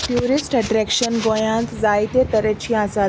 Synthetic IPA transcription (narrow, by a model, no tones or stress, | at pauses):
ʈjuɾisʈəʈɾɛkʃənɡõjãnt̪d͡zajt̪et̪əɾet͡ɕiasa